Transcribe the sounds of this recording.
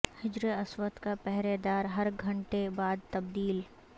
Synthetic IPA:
hɪd͡ʒɾeɐswət̪kapɛɦɾed̪aːɾɦɐɾɡʱɐ̃ɳʈebaːd̪̚t̪ɐb̚d̪iːl

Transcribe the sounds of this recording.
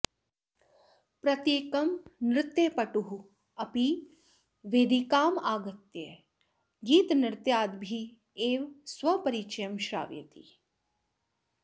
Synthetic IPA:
pɾɐt̪jeːkɐmnɾɪt̪jeːpɐʈuɦu | ɐpi | ʋeːd̪ikaːmaːɡɐt̪je | ɡiːt̪nɾɪt̪jaːd̪bʱi | eːʋsʋɐpɐɾit͡ʃɐjɐmʃɾa̰ːʋjɐ̰t̪ḭ

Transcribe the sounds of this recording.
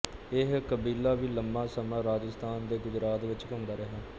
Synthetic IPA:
ɪɦkəbiːlaːʋiːləmbãːsəmãːɾaːd͡ʒəst̪ʰaːnd̪eːɡʊd͡ʒɾaːt̪ʋɪt͡ʃkəmd̪aːɾəɦaː

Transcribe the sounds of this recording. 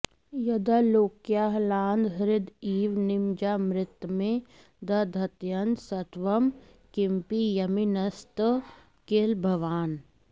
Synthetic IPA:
jɐd̪ɐloːkjaːɦlaːnd̪ɦɾɪd̪iːʋnɪmd͡ʒamɾɪt̪wmẽ | d̪ɐd̪ʱɐt̪jɐnsɐt̪ʋɐm | kɪmpijɐminɐst̪ | keːlbʱɐʋaːn

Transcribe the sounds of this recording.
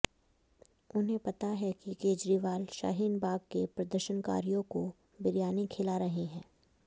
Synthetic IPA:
ʊnɦẽpɐt̪aɦɛkikeːd͡ʒɾiʋaːlʃa̰ːɦiːnbaːɡkepɾɐd̪əɾʃənka̰ːɾijõko | bɪɾjaːnikʰɪlaɾɐɦeɦɛ̃ː

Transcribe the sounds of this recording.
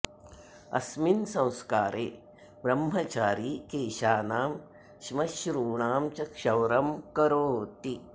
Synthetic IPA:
ɐ̰sminsɐ̃w̃skaːɾʔeː | bɾɐmɦɐt͡ʃaːɾiːkeːʃaːnaːm | ʃmɐʃɾuːɳaːmt͡ʃɐkʃɐwɾɐmkɐɾoːt̪i

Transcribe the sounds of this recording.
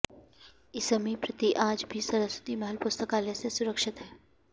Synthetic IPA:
ɪsəmipɾɐt̪iʔãːd͡ʒbʱisɐɾəswə̥t̪imɛɦəlpʊst̪əkaːlesesʊɾəkʃɪt̪ɦɛː

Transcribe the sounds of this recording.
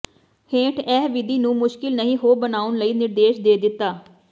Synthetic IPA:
hẽːʈʰɛːɦʋɪd̪iːnũːmʊʃkɪlnəɦĩːɦoːbənaːʊnləiːnɪɾd̪eːʃd̪eːd̪ɪt̪ːaː

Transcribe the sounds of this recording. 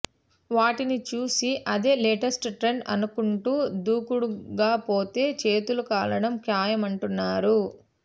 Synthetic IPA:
ʋaːʈinit͡ʃuːsiʔɐd̪e̞ːleːʈɐsʈʈɾe̞ɳɖɐ̰nukuɳʈuːd̪uːkuɽuɡaːpo̞ːt̪e̞ːt͡ʃe̞ːt̪ulukaːlɐɽɐmkjaːjɐmɐɳʈunːaːɾu

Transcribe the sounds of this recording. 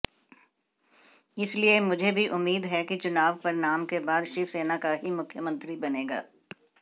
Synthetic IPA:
ɪsliemʊd͡ʒʱebʱiʔʊmːiːd̪ɦɛkit͡ʃʊnaːʋpɐɾnaːmkebaːd̪ʃɪfseːnakaɦimʊkʰːjəmɐ̃nt̪ɾibɐneːɡa̰ː

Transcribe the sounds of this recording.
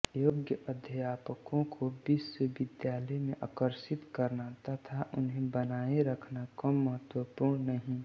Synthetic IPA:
joːɡjəʔɐd̪ʱjjaːpəkõkʰobɪswəʋɪd̪jaːləjmẽʔaːkəɾʃɪt̪kɐɾnat̪at̪ʰaʔʊnɦẽbənaːeɾəkʰnakəmːəɦət̪wəpuːɾɳnəɦĩ

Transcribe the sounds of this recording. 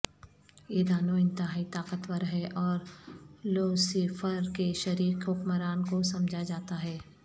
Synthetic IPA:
jeːd̪aːnoɪ̃nt̪ɪɦaːit̪aːqət̪wəɾɦɛʔɔːɾloːsifʰəɾkeʃɐɾiːqɦʊkməɾaːnkosɐmd͡ʒʱad͡ʒaːt̪aɦɛː

